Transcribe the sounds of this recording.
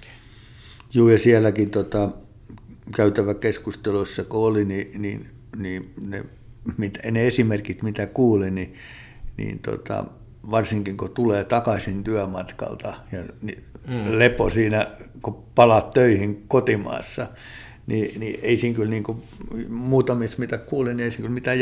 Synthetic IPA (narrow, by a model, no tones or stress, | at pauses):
juːjɑsiælːˑækit̪ot̪ɑ | kæyt̪æʋækeskust̪eloisːɑkoolininḭn | niːnḛ | mit̪æneesimerkit̪mit̪ækuːlini | nḭːnt̪o̰t̪ɑ̰ | ʋɑrsiŋkiŋkot̪uleːt̪ɑkɑsʲint̪yæmɑt̪kɑ̰lt̪ɑjɑnileposiːnækopɑlɑt̪t̪øihiŋkot̪imɑ̰ːsːɑ | ninieisiːŋkylniːŋko | muːt̪ɑmismit̪ækkuːlinieisiŋkylmit̪æ